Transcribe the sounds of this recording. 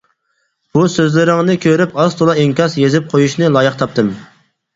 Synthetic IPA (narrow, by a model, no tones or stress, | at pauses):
b̥usøzlɪɾɪŋnɨkʲʰøɾɪpɑst̪ʰolˠɑeŋkʲɑsjezɪp̚qʰojuʃnɨlˠɑːjɨqt̪ʰɑp̚t̪ɨm